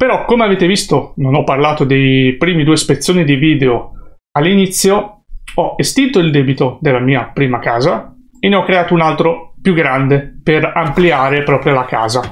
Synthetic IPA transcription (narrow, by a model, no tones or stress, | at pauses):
peɾɔkːomeaveːt̪evist̪ononɔpːarlaːt̪od̪ejpɾiːmid̪uːespet̪sːjoːnid̪iviːd̪eo | alːinit̪sːjoɔest̪int̪oild̪ɛːbit̪od̪elːamiːapɾiːmakaːza | enːeɔkːɾeaːt̪ounalt̪ɾopjuɡɾand̪eperampliaːɾepɾɔːpɾjolaka̰ːza